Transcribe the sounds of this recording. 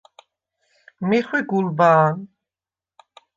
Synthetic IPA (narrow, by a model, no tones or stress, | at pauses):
miχwiɡulbaːn